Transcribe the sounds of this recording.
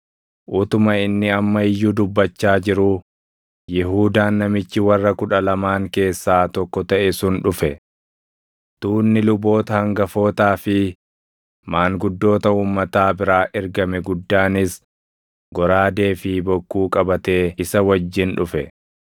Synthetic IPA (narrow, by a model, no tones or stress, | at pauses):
ʔʊt̪ʊmɐɪnːɪɐmːɐɪjːuːd̪ʊbːɐt͡ʃːaːd͡ʒɪɾʊ | jɪɦuːd̪aːnːɐmɪt͡ʃːɪwɐrːɐkʊᶑɐlɐmaːŋke̞ːsːaːt̪ɔkːɔt̪ɐʔɛsʊnᶑʊfɛ | t̪uːnːɪlʊbo̞ːt̪ɐhɐŋɡɐfo̞ːt̪aːfɪ | maːŋɡʊd̪ːo̞ːt̪ɐuːmːɐt̪aːbɪɾaːʔɪɾɡɐmɛɡʊd̪ːaːnɪs | ɡɔɾaːd̪e̞ːfɪbɔkːuːkʼɐbɐt̪e̞ːɪsɐwɐd͡ʒːɪnᶑʊfɛ̰